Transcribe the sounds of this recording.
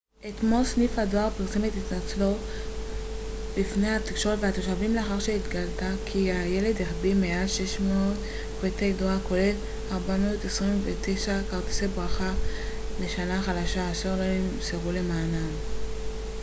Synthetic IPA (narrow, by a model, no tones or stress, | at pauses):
ʔet̪mo̞lsnifhado̞aʁpiʁsemet̪et̪at͡slo̞ | bifne̞jhat̪ikʃo̞etveat̪oʃavimleaχaʁʃe̞it̪ɡalt̪akʰiaje̞le̞d̪eχbimeaʃe̞ʃmoːt | kvet̪ejdoaʁko̞le̞l | aʁbamoot̪esʁimvet̪ejʃakaʁt̪i̥sebʁaχale̞ʃanaχalaʃaːʃeʁloemseʁule̞maːnam